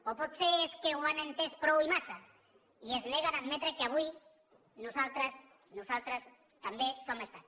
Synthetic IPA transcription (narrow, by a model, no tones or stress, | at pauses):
opot̪seeskeɣwanẽnt̪espɾowimasa | iezleɣanaðmet̪ɾekeaβuj | nusalt̪ɾas | nusalt̪ɾas | t̪ambesomest̪a